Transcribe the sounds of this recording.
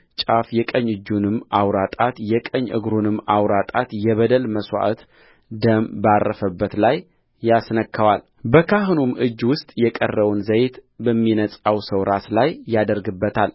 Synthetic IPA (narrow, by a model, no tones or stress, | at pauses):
t͡ʃʼafjɛkʼəɲːɨd͡ʒːunɨmːawɾat̪ʼat̪jɛkʼəɲːʔɨ̰ɡɾunɨmːawɾat̪ʼat̪jɛβəd̪əlməswa̰ʔt̪ | d̪əmbarːəfəbːət̪lajː | asnəkːəwal | bəkʰaɦɨnumʔɨd͡ʒːwʊst̪ʼjɛkʼə̰rːəwnzəjt̪bəmːinət͡sʼawsəwɾʔaslajːad̪əɾɡɨbːət̪ʰal